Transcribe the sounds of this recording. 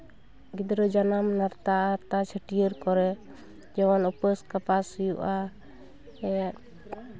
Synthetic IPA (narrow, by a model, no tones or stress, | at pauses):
ɡid̪ɾɔd͡ʒanamnaɾt̪aʔaɾt̪at͡ʃʰəʈijəɾkɔɾɛ | d͡ʒɛwanɔpəskapasujṵʔa | ɛa